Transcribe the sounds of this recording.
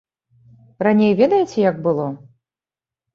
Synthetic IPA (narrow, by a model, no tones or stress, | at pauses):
ranʲejvʲed̪ɐjɪt͡sʲɛjaɡ̚bɨlˠɔ